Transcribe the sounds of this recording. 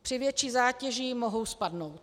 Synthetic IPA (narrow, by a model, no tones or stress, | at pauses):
pr̥ɪvjɛt͡ʃiːzaːcɛʒiːmoɦo̞wspadnowt̪̚